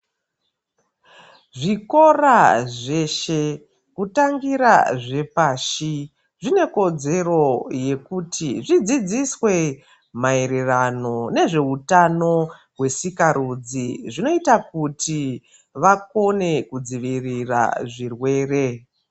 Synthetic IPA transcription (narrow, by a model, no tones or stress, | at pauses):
ʐiko̞raʐe̞ʃe̞ | kutaŋɡiɾaʐe̞paːʃi | ʐine̞ko̞d͡ze̞ro̞je̞kutʰiʐid͡zid͡ziswe̞ | mae̞ɾerano̞ne̞ʐe̞utano̞ | ɦwe̞sikaɾud͡ziʐino̞itakutʰi | ʋako̞ne̞kud͡ziʋirira̰ʐirwe̞ːre̞